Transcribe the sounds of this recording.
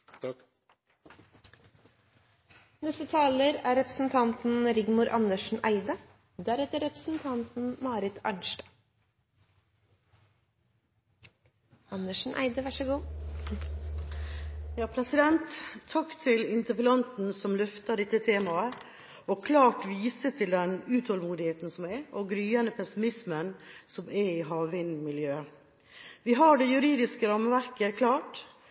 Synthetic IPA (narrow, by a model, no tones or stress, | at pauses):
nɛst̪ət̪ʰɑːləɾæːɾɛpɾəsn̩t̪ʰɑnt̪n̩ɾɪɡmʊɾʔɑ̰nəʂɳ̩ʔæɪd̪ə | d̪æɾɛt̪əɾɛpɾəsn̩t̪ʰɑnt̪n̩mɑːɾɪt̪ɑ̰ɳʃʈɑ | ɑnəʂn̩ʔæ̰ɪd̪əʋɑʂəɡuː | jɑːpʰɾɛsɪd̪ɛnt̪ʰːɑkːt̪ʰɪlɪnt̪əpəlɑnt̪n̩sɔmlʉft̪ɑɖɛt̪ːət̪ʰeːmɑə | ʔokʰlɑːʈʋiːsət̪ʰɪld̪ɛnʉːt̪hɔlmuːd̪ɪheːt̪n̩sɔmɛʔoːɡɾyːənəpʰɛsɪmɪsmənsɔmɛiːɦɑːʋɪnmɪljøː | ʋiːɦɑːɖejʉɾiːd̪ɪskəɾɑməʋæɾkəkʰlɑːʈ